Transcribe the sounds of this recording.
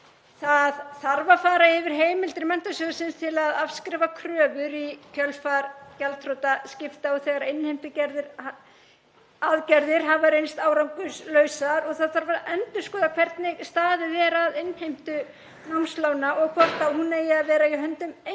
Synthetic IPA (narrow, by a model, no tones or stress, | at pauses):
θaðθaɾvafaːɾaɛvɪɾ̥ɦeːjmɪlt̪ɪɾɪmɛn̥t̪asœːðsɪnst̪ʰɪlaðafskɾɛːvakʰɾœːvʏɾicʰœlfaɾcalt̪ʰɾowt̪ascɪft̪aɔɣθɛɣaɾaɪnhejm̥t̪ʏcɛɾðɪɾ | aðcɛɾðɪɾ̥ɦaːvaɾejnst̪aːwɾawŋkʏslœːɥsaɾɔɣθaðθaɾvaʔɛnt̪ʏ̥skɔːðakʰv̥ɛɾt̪nɪɣst̪aːðɪðɛɾaðɪnhejm̥t̪ʏ | nawnslawnaʔɔɣkʰɔr̥t̪ahunejɪaðvɛːɾaɪɦœnt̪ʏme